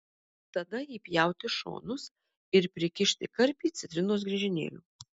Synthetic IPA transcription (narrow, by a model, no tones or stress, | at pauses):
t̪ɐd̪ɐjiːpʲjɛˑʊt̪ʲɪʃo̰ːnʊs | ɪɾpʲɾʲɪkʲɪʃʲt̪ʲɪkɐɾʲpʲiːt̪sʲɪt̪ʲɾʲɪnoːs̬ɡɾʲɛʒʲɪnʲḛːlʲuː